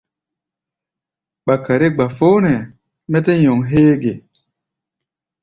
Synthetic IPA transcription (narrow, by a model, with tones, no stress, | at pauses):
ɓa˨ka˨ɾi˦ɡ͡ba˨fo˦nɛ˨ | mɛ˦te˦jɔ˨ŋɦeː˦ɡe˨